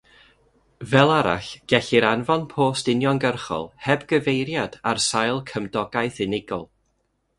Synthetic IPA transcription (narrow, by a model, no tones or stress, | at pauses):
vɛlˠaɾa̰ɬɡ̥ɛɬiɾanvɔnpʰoːstɪnjɔnɡərχɔ̰lˠhɛbɡəvejɾjadarsajlˠkʰəmdɔɡajθɪnɪɡɔlˠ